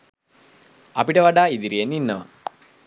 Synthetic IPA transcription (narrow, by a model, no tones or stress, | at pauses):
ɐpiʈɐʋɐɖaːid̪iɾijenːinːɐʋɐ̰